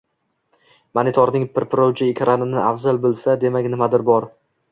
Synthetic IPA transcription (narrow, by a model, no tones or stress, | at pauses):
manit̪ʰɒɾnɪŋpʰɪɾpɾowt͡ʃʰɪːkʲʰɾʔanɪnɪʔafzalbɪlsad̪e̞makʲnɪmad̪ɪɾbɒɾ